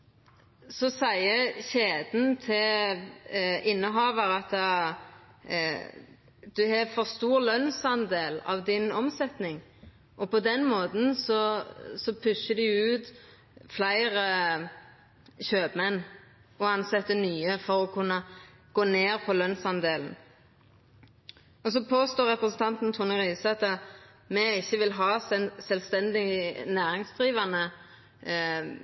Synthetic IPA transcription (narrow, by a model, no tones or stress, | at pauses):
sɔsæɪəçeːd̪nt̪ʰɪl | ɪnːəɦɑːʋəʁɑt̪ː | d̪̥ʉɦɛfɔʁst̪uːɾlœnsɑnd̪eːlɑ̰ʋd̪ɪnɔmsɛt̪nɪŋ | ʔɔpɔd̪ɛnmoːt̪n̩sɔsɔpʰʉʃəd̪ɪʉːt̪ | flæɪʁə | çøːbmɛnː | ɔɑnsɛt̪ːənyːəfɔʁɔkʰʉnːə | ɡ̥oːneːʁpʰɔlœnsɑnd̪eːln̩ | ɔs̬ɔpʰoːst̪oːʁɛpɾəsn̩t̪ʰɑnt̪n̩t̪ʰʊnəʁiːsɑt̪ːə | mɛɪçːəʋɪlɦɑːsɛnsɛlst̪ɛnd̪ɪnæːɾɪŋsd̪ʁiːʋɑnə